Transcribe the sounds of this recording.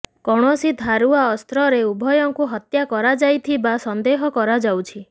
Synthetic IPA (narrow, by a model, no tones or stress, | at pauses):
kɔɽ̃ɔsid̪ʱaɾuaɔst̪ɾɔɾeubʱɔjɔŋkuɦɔt̪jakɔɾad͡ʒajt̪ʰibasɔnd̪eɦɔkɔɾad͡ʒawt͡ʃʰi